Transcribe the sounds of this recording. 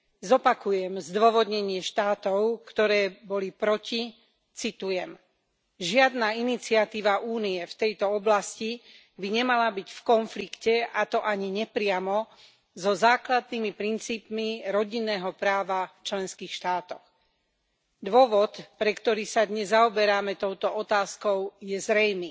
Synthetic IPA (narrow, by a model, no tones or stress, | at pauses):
zɔpakujɛmzd̪ʋɔʋɔd̪ɲɛɲɪɛʃt̪aːt̪ɔʊkt̪ɔɾɛːbɔlipɾɔci | t͡sit̪ujɛm | ʒɪad̪naːinit͡siat̪iːʋaʔuːniɛft̪ɛjt̪ɔɔblasci | biɲɛmalabiɟfkɔnflikcɛat̪ɔʔaɲiɲɛpɾɪamɔ | zɔzaːklad̪̚nimipɾint͡siːpmiɾɔɟinːɛːɦɔpɾaːʋaft͡ʃlɛnskiːxʃt̪aːt̪ɔx | d̪ʋɔʋɔt̪pɾɛkt̪ɔɾiːsad̪ɲɛzːaɔbɛɾaːmɛt̪ɔʊt̪ɔɔt̪aːskɔʊjɛzɾɛjmiː